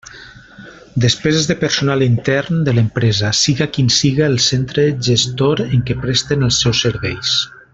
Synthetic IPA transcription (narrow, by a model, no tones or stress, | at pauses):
d̪əspɛzezðəpəɾsunalint̪ɛɾnd̪ələmpɾɛzasiɣakinsiɣaːlˠsent̪ɾəʒəst̪oɾeŋkepɾɛst̪enəlˠsːɛwsːəɾβɛjs